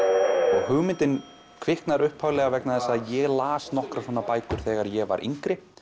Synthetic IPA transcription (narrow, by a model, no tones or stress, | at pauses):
ɔɣɦʏɣmɪnt̪ɪn | kʰvɪhknaɾʏhphawlɛɣavɛknaθɛsːaajɛɣlaːsnɔhkɾasɔːnapaːjkʏɾ̥θɛːɣaɾjɛɣva̰ɾʔḭŋkɾɪ